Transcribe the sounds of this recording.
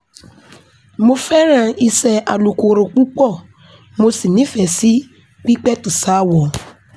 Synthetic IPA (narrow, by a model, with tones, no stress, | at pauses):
mo˧fɛ˦ɾ̃ã˧i˧sɛ˧a˨lu˨ko˧ɾo˨k͡pu˦k͡pɔ˦˨ | mo˧si˦˨nĩ˨˦fɛ˧˨si˦ | k͡pi˦k͡pɛ˦tu˨sa˨˦˨wɔ˨